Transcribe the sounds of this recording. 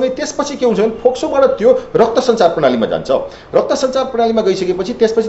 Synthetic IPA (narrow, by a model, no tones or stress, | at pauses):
nʌjt̪espʌt͡sʰikeɦunt͡sʰʌʌnipʰoksobaɽʌt̪jorʌk̚t̪ʌsʌnt͡sarpʌɽ̃alima̰d͡za̰nt͡sʰʌ̰ | rʌk̚t̪ʌsʌnt͡sarpʌɽ̃alimaɡʌisʌkepʌt͡sʰit̪espʌt͡sʰi